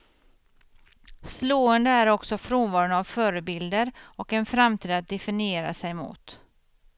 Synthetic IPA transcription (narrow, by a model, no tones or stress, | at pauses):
sloːənd̪əæɾɔksɔfɾoːnvɑːɾʊnavfœːɾəbɪld̪əɾɔkɛnfɾamt̪ʰiːd̪at̪̚d̪ɛfɪnɪeːɾa̰sɛjmʊ̰ːt̪